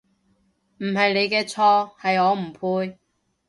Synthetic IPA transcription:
m̩˨˩hɐ˨jne˨˧jkɛː˧t͡sʰɔː˧hɐ˨jɔː˨˧m̩˨˩pʰuː˧j

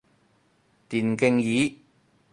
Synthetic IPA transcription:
t̪iː˨˩nkɪ˧ŋjiː˨˥

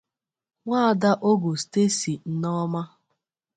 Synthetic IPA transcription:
ŋʷaː˦a˨da˦ʔo˦ɡo˨ste˦si˨n̩˨nɔ˦ma˦

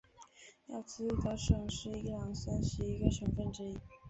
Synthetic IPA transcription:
jɑ˥˩ʊt͡sɹ̩˥˧k̪ə˧˥ʂɤ˨˩ŋʂɻ̩˥˧i˥lɑ˨˩ŋsa˥nɕi˧˥i˧˥ɡə˧ʂɤ˧˥ŋfə˥˩nʈ͡ʂɻ̩˥i˧˥

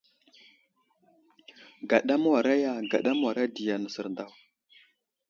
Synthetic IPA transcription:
ɡa˨ɗa˦m˦wa˨ɾa˦ja˦ɡa̰˨ɗa˦m˦wa˨ɾa˦di˨ja˨nə˨sə˨ɾnda˦w

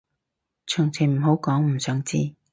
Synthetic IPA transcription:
t͡ʃʰœː˨˩ŋt͡sʰi˨˩m̩˨˩ɦo˨˥wkɔː˨˥ŋm̩˨˩sœː˨˥ŋt͡sḭː˥˧

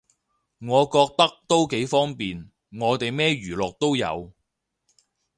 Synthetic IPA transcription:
ŋɔː˨˧kɔː˧k̚t̪ɐ˥k̚t̪o˥wke˨˥jfɔː˥ŋpiː˨n | ŋɔː˨˧t̪e˨jmɛː˥ɥyː˨˩lɔː˨k̚t̪o˥wjɐ̰˨˧w

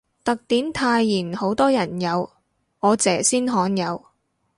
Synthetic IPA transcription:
t̪ɐ˨k̚t̪iː˨˥nt̪ʰaː˧jːiː˨˩nho˨˥wt̪ɔː˥jɐ˨˩njɐ˨˧w | ɔː˨˧t͡sɛː˨˩siː˥nɦɔː˨˥njɐ˨˧w

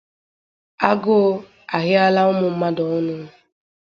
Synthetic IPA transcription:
a˦ɡʊ˦ | a˨ɣɪ˦a˦la˦ʊ˦mʊ˨m̩˦ma˦dɔ˨ʊ˦nʊ˦

